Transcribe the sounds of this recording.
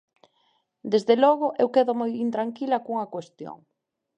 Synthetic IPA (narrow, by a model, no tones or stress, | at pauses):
d̪ezðelɔɣʊʔewkeðʊmojint̪ɾaŋkilɐkuŋɐkwest̪jo̰ŋ